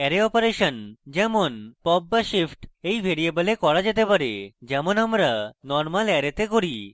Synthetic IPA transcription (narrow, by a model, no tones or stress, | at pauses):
ɛɾeɔpoɾeʃond͡ʑɛmonpɔbːaʃifʰʈejbʱeɾiebalekɔɾad͡ʑet̪epaɾḛd͡ʑɛmonamɾanɔɾmalɛɾet̪ekoɾi